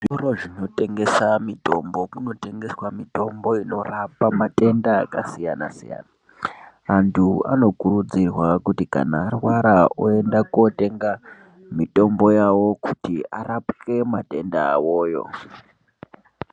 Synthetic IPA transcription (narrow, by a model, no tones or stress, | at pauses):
ʐoɾoʐino̞te̞ŋɡe̞samito̞mbo̞muno̞te̞ŋɡe̞swamito̞mbo̞ino̞rapamate̞ndaːkasijana̰sija̰ːna | antʰua̰no̞kuɾud͡zirwakutika̰naːrwaɾaoe̞ndako̞te̞ŋɡa | mito̞mbo̞jawo̞kutiarapke̞mate̞ndaːwo̞ːjo̞̰